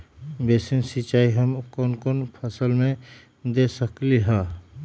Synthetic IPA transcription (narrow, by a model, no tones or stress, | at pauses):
beːsinsit͡ʃaːiɦəmkoːnkoːnpʰəsəlmẽ | d̪esəkliɦaː